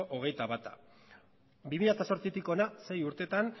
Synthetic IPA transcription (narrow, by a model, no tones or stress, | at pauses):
ʔoɣ̞e̞jt̪aβat̪a̰ | bimiɾat̪aso̞ɾt͡sit̪iko̞nase̞juɾt̪e̞t̪an